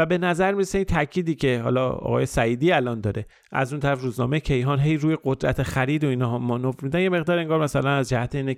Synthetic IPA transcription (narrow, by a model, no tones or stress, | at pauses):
væbe̞næzæɾmiɾese̞iːnt̪ʰæcʰiːd̪iːcʰe̞hɒ̰ːlɒ̰ɒ̰ɣɒ̰ːje̞sæiːd̪iːælɒːnd̪ɒːɾe | ʔæ̰zunt̪ʰæɾæfɾuːznɒːme̞jecʰe̞jɦɒːnɦejɾuːjeɡod̪ɾæ̰t̪ʰexæɾiːd̪oinɒːɦmɒnofmid̪ænje̞me̞ɣd̪ɒːɾeŋɡɒːɾmæsælænæzd͡ʒæhæt̪ʰeiːne